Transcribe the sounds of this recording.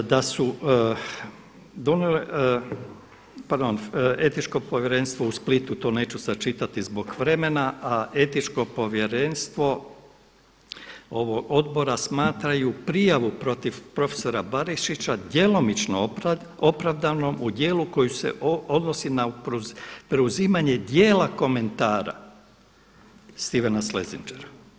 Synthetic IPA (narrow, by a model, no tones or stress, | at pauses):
d̪asu | d̪o̞nele | paɾd̪one̞t̪it͡ʃko̞po̞ʋjeɾe̞nst̪ʋo̞usplit̪ut̪o̞ːne̞ːt͡ʃusat͡ʃit̪at̪izbo̞kʋɾe̞me̞naaʔe̞t̪it͡ʃko̞po̞ʋje̞ɾenst̪ʋo̞ | o̞ʋoɡo̞d̪bo̞ɾasmaːt̪ɾajupɾijaʋupɾo̞t̪iʋpɾo̞feso̞ɾabaɾiʃit͡ʃad̪je̞lo̞mit͡ʃno | o̞pɾaʋd̪ano̞mud̪je̞ːluko̞jusḛʔo̞d̪no̞sinappɾeuziːmaɲe̞d̪je̞ːlˠako̞me̞nt̪aːɾa̰ | st̪iʋenaslezind͡ʒeɾa